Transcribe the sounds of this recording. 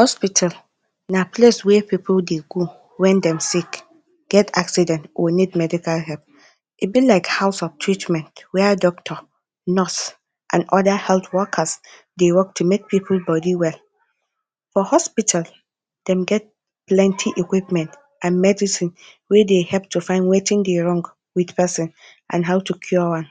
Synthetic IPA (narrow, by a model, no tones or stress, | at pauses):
hɔspitʰal | napʰleswɛpʰipʰldeɡo | wɛ̃ndɛ̃msik | ɡ̥ɛtʰaksidɛ̃ntʔɔnidmɛdikalɦɛlp̚ | ʔibilaɪkhaʊsɔftʰɹitmɛ̃ntwɛdɔk̚tʰɔ | nɔs | ʔãnʔɔdahɛlθwɔkʰas | dewɔk̚tʰumek̚pʰipʰl̩bɔdiwɛl | fɔhɔspitʰal | d̥ɛ̃mɡɛt̚ | plɛ̃ntʰiʔikwipmɛ̃nt | ʔãnmɛdisĩn | wɛdehɛlp̚tʰːufãɪ̃ndwetɪ̃ŋdeɹɔ̃ŋɡ | wið̥pʰɛsɪ̃n | ʔã̰nɦaʊtʰukʰjuwãn